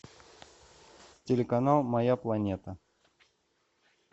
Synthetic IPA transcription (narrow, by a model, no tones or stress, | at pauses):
tʲɪlʲɪkɐnalˠmɐjaplˠɐnʲet̪ə